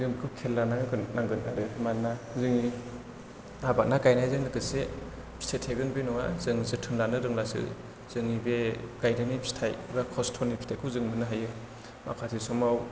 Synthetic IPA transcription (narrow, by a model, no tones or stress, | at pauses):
zɯŋkʰɯkʰelːanaŋɯɡɯnːaŋɡɯnaɾɯhemanːazɯŋi | abak̚nakajnajzɯŋnɯkɯse | pʰi̥stʰetʰeɡɯnbenɔŋazɯŋzɯtʰɯnlanɯɾɯŋlasɯ̰ | z̥ɯŋibeɡ̥ajdanipʰi̥stʰajbakʰɔstʰɔnipʰi̥tʰakʰuzɯŋmɯnɯɦajɯ | mʔa̰kʰatʰisɔmaw